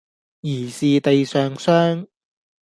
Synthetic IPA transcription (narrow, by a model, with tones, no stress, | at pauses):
jiː˨˩siː˨t̪e˨jsœː˨ŋsœː˥ŋ